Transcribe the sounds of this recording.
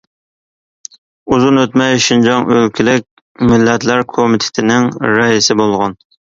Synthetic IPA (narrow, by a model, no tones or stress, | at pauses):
uzunøt̪mɛjʃind͡ʒɑŋølkʲʰilɪkʲ | mɪlːɛt̪læɾkʰomɪt̪ʰɪ̥t̪ʰɪnɪŋɾɛisɪbolˠʁɑn